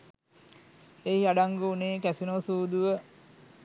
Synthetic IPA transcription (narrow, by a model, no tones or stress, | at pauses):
eɦiaɖaŋɡuːneːkæsinoʋsuːd̪uʋə